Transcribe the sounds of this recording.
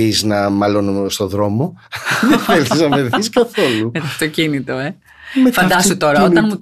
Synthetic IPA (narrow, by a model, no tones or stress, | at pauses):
iznɐmɐlonst̪o̞ðɾo̞mo̞ðefelθiznɐveɾθiskɐθolumet̪ɐft̪o̞cinit̪o̞e | fɐnd̪ɐst̪ut̪o̞ɾɐoɐnmut̪